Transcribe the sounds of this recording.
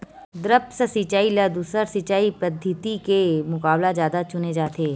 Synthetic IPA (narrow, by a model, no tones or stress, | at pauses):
d̪ɾəpsəsit͡ʃaːilɐd̪usəɾsɪt͡ʃaːipɐd̪ʱɪt̪ikemʊkaːblazjaːd̪at͡ʃʊned͡ʒaːt̪eː